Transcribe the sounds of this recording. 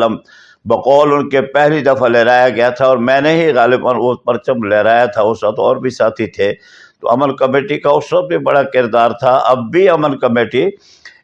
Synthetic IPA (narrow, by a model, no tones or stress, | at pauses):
əm | bɐqɔːlʊnkepɛɦlid̪ɐfʰaleːɾaːjaɡɐjat̪ʰaɔːɾmɛ̃ːneɦiɣaːlɪbaːnʊt̪̚pɐɾt͡ʃəmleːɾaːjat̪ʰaʊsət̪ɔːɾbʱisaːt̪ʰit̪ʰeː | t̪o̰ɐmənkɐmeːʈikaʊsət̪̚bʱibɐɽakɪɾd̪aːɾt̪ʰaʔɐbːiɐmənkɐmeːʈi